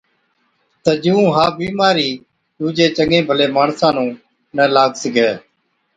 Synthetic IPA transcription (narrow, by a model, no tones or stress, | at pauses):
t̪əd͡ʒɪũːɦaːbiːmaːɾiː | ɗ̪uːd͡ʒeːt͡ʃəŋẽːbʱəleːmaːɳsãːnũː | nəlaːɡsəɡeː